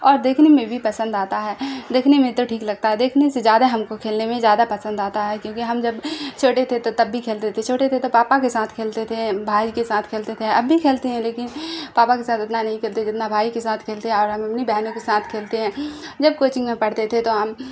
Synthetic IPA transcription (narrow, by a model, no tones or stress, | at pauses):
ɔːɾd̪eːkʰnemẽbʱipɐsə̃nd̪aːt̪aɦɛːd̪eːkʰnemẽt̪oʈʰiːklɐɡ̚t̪aɦɛd̪eːkʰnesezjaːd̪aɦɐmkokʰeːlnemẽzjaːd̪apɐsə̃nd̪aːt̪aɦɛkjõːkiɦɐmd͡ʒɐbt͡ʃʰoːʈet̪ʰet̪ot̪ɐbːʱikʰeːlt̪et̪ʰet͡ʃʰoːʈet̪ʰet̪opaːpakesaːt̪ʰkʰeːlt̪et̪ʰebʱaːikesaːt̪ʰkʰeːlt̪et̪ʰeɐbːʱikʰeːlt̪eɦɛ̃leːkɪnpaːpakesaːt̪ɪt̪nanɐɦĩkʰeːlt̪ʰed͡ʒɪt̪nabʱaːikesaːt̪ʰkʰeːlt̪eɦɛ̃ɔːɾɦɐmɐpnibɛɦnõkesaːt̪ʰkʰeːlt̪eɦɛ̃ːd͡ʒɐb̚koːt͡ʃɪ̃ŋɡmẽpɐɽ̤t̪et̪ʰet̪oɦɐm